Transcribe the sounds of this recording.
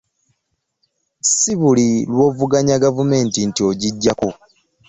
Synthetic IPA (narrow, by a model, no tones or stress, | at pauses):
siβulilwo̞ːvuɡaɲaɡavume̞ːntintio̞ɟiɟːako